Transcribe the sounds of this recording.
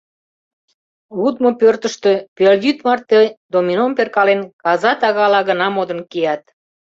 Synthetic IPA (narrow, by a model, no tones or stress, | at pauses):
ud̪mopørt̪əʃt̪ø̆peljyt̪mɑrt̪ːəd̪ominomperkɑlenkɑzɑt̪ɑɣɑlɑɣənɑmod̪ə̆nkejɑt̪̚